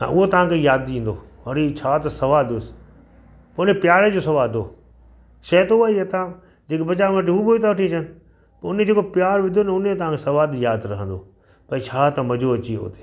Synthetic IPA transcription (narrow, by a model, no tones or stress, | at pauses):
ã̰ʔʊɦot̪ɐʋ̤ãkʰejaːd̪ĩːn̆d̪o̰ː | ʋɐɽit͡ɕʰaːt̪ɐsɐʋaːld̪ɪsɪ̥ | pɐʊnepjaːɾed͡ʑoːsɐʋaːld̪o̰ː | ʃɐːt̪oaːiat̪ã | d͡ʑeːkebɐt͡ɕamɐʈ̬iɦuːboit̪ʰaʋɐʈʰit͡ɕʰɐnɪ̆ | pɐʊned͡ʑeːkopɪjaːɾʋɪd̪ʱonɐʊnet̪ɐʋãːkʰesɐʋaːd̪jaːd̪ɾɐɦə̃n̆d̪o̰ː | pɐit͡ɕʰaːt̪ãmɐd͡ʑoɐt͡ɕiɦo̰ːt̪e̥ː